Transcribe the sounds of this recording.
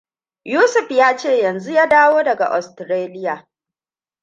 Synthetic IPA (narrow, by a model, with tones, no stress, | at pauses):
juː˦sʊ˨ɸjaː˦t͡ʃeː˦˨jɐ˨nzu˦jaː˦daː˦woː˦dɐ˨ɡa̰˨ʔɔ˨stɾeː˦lɪ˦jaː˨